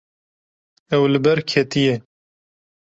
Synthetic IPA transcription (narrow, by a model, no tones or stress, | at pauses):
ɛwlɨbɛɾkʰɛt̪ijɛ